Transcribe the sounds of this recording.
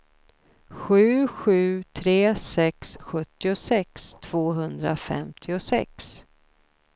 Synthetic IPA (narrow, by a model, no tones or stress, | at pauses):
ɧʉ̟ːɧʉ̟ːt̪ʰɾeːsɛksɧɵt̪ːɪʊsɛkst̪ʰv̥oːɦɵnd̪ɾa̰fɛ̰mt̪ʰɪʊsɛ̰ks